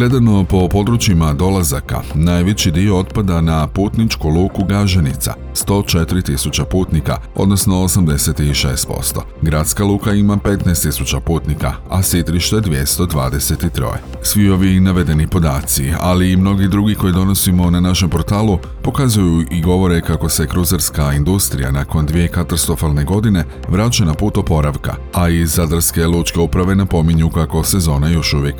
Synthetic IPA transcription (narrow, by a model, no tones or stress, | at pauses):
ɡle̞d̪ano̞po̞po̞d̪ɾut͡ɕimad̪o̞lazaka̰naːjʋet͡ɕid̪io̞o̞t̪pad̪anapuːt̪nit͡ʃkulˠuːkuɡaʒenit̪sa̰ | st̪o̞t͡ʃe̞t̪iɾit̪isut͡ɕapuːt̪nika̰o̞̰d̪no̞sno̞osamd̪e̞se̞t̪iʃe̞̰ːst̪̚po̞̰st̪o̞̰ɡɾaːt̪skalˠuːkaimape̞t̪naest̪isut͡ɕapuːt̪nika | asit̪ɾiʃt̪ed̪ʋje̞st̪o̞d̪ʋa̰ːd̪e̞se̞t̪it̪ɾo̞̰jḛ | sʋio̞ʋinaʋe̞d̪e̞nipo̞d̪aːt̪sia̰liːmno̞ɡid̪ɾuɡiko̞jid̪o̞no̞simo̞nanaʃe̞mpo̞ɾt̪aːlˠu | po̞kazujuiɡo̞ʋo̞ɾe̞kako̞se̞kɾuzaɾskaind̪ust̪ɾḭja̰nako̞nd̪ʋije̞kat̪ast̪ɾo̞falne̞ɡo̞d̪ine̞ | ʋɾat͡ɕanapuːt̪opo̞ɾaʋka̰ | aizːad̪ɾske̞lˠuːt͡ʃke̞upɾaʋe̞napo̞miɲukako̞se̞zo̞ːnajo̞ʃuʋje̞k